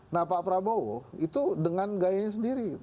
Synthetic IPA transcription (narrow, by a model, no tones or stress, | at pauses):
napapɾabowɔit̪udəŋanɡajaɲas̬əndiɾi